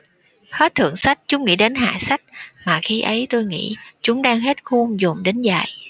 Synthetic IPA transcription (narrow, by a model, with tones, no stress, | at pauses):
xe˦˥t̚t̪ʰɨ̰˧˨əŋsa˦˥jk̟̚t͡ɕʊ˨˦ŋ͡mŋḭ˧˥ɗe˨˦nɦa̰ː˧˨sa˦˥jk̟̚maː˨˩xi˧ʔə˨˦jt̪o˧jŋḭ˧˥t͡ɕʊ˨˦ŋ͡mɗaː˧ŋɦe˦˥t̚xu˧ŋzʊ˨˩ŋ͡mɗe˨˦nza̰ː˧˨j